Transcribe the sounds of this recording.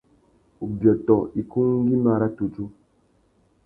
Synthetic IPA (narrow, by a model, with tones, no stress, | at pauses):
u˨bjɔ˨tɔ˨i˨ku˦ŋ˦ɡi˦ma˨ɾa˦tu˨t͡ʃu˦